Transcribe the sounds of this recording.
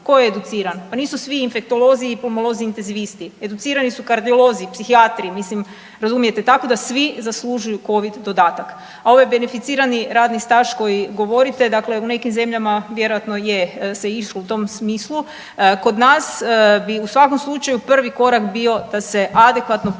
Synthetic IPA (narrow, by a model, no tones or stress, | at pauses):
ko̞jeːd̪ut̪siːɾanpaniːsusʋiːnfe̞k̚t̪o̞lˠo̞ziːplomolˠo̞ziiːnt̪enziʋist̪ie̞d̪ut̪siːɾanisukaɾd̪io̞lˠo̞ziːpsixiat̪ɾiːmislim | ɾazumije̞t̪e̞t̪ako̞d̪asʋizaslˠuʒujuko̞ʋid̪ːo̞d̪aːt̪ak | ao̞ʋajbe̞nefit̪siːɾaniɾaːd̪nist̪aʃko̞jiɡo̞ʋo̞ɾit̪e̞d̪akle̞une̞kimze̞mʎamaʋje̞ɾojat̪no̞jese̞iʃlout̪o̞msmiːslu | ko̞d̪nasbiusʋako̞mslˠut͡ʃajupr̩ʋiko̞ɾakbio̞d̪̥ase̞ʔad̪ekʋat̪no̞